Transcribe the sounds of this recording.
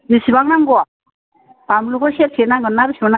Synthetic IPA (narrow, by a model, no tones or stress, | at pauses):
nisibaŋnaŋɡɔ | pamluɡɔseɾpʰenaɡɯnːaɾisibana